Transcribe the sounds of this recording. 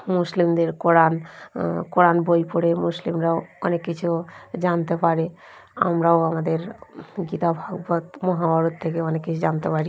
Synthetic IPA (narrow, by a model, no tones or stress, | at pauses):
muslimd̪eɾkoɾankoɾanbojpɔɽemuslimɾaoonekːit͡ʃʰud͡ʒant̪epaɾe | a̰mɾaoamad̪eɾɡit̪abʱaɡbət̪mɔɦabaɾut̪t̪ʰːekeonekːit͡ʃʰd͡ʒant̪epaɾi